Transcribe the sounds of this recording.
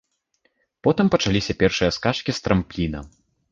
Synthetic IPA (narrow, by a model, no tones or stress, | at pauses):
pɔt̪ɨmpɐt͡ʂalʲisʲɐpʲɛrʂɨjɐskaʂkʲist̪ɾɐmplʲinɐ̰